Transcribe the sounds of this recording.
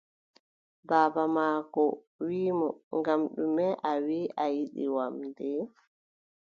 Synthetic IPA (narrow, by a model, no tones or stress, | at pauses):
baːbamaːkɔ | wiːmɔŋɡamɗumɛʔawiːʔajiɗḭwamdɛ